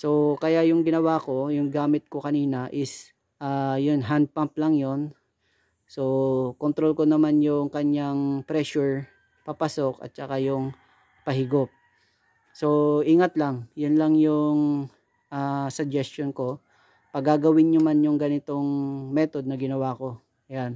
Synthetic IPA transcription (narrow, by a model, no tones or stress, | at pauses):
so̞kɐjajʊŋɡɪnɐwako̞jʊŋɡaːmɪt̪̚kokɐniːnɐʔɪs | ʔaːjʊnɦand̪̚pamp̚lɐŋjo̞n | so̞kont̪ɾolkonɐmanjʊŋkɐɲaŋpɾɛʃʊɹ | papɐso̞kɐ̰t̪̚t͡ʃɐkajʊŋ | pɐɦɪɡop̚ | so̞ʔiŋat̪laŋjʊnlɐŋjʊŋ | ʔasɐd͡ʒɛst̪onko̞ | pɐɡaɡɐwɪnɲʊmanjʊŋɡɐnɪt̪o̞ŋmɛːt̪o̞d̪̚nɐɡɪnɐwaːko̞ | jan